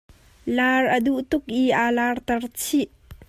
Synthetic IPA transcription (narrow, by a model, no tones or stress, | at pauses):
laːrʔəduʔt̪ʊk̚ʔiʔaːlaːrt̪ɐrt͡sʰiʔ